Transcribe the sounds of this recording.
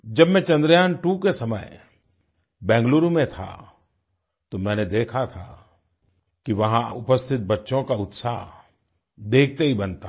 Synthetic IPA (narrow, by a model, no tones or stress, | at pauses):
d͡ʒɐbmɛ̃t͡ʃɐ̃nd̪ɾjaːnʈuːkesɐməj | bɛ̃ːŋɡluːɾumẽt̪ʰa̰ | t̪omɛ̃ːned̪eːkʰat̪ʰa̰ | kiʋɐɦãʊpəst̪ʰɪt̪̚bɐtːʃõkaʊt̪saːɦ | d̪eːk̚ʰt̪eɦibɐnt̪a